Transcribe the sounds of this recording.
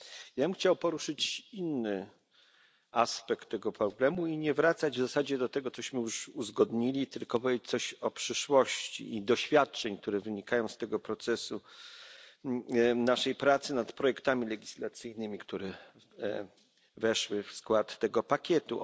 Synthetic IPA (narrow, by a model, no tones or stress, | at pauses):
jabɘmxt͡ɕawpɔɾuʂɘt͡ɕinːɘ | ʔaspɛkt̪ːɛɡɔpɾɔblɛmuiɲɛvɾat̪sad͡ʑvzasad͡ʑɛd̪ɔt̪ɛɡɔt̪ɔɕmɘjuʂuzɡɔd̪ɲilʲit̪ɘlkɔpɔvʲjet͡ɕt̪sɔɕɔpʂɘʂwɔɕt͡ɕḭid̪ɔɕfʲjat̚t͡ʂɛɲk̚t̪uɾɛvɘɲikajɔ̃w̃st̪ɛɡɔpɾɔt̪sɛsu | naʂɛjpɾat̪sɘnat̪pɾɔjɛkt̪amʲilɛɡʲislat̪sɘjnɘmʲikt̪uɾɛ | vɛʂwɘfskwat̪ːɛɡɔpakʲɛt̪ṵ